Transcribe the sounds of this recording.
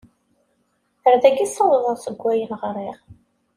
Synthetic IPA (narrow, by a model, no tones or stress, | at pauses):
θəɾðæɡisˤːɑwəðˤəɾˤsəɡʷːæjənʁɾˤiʁ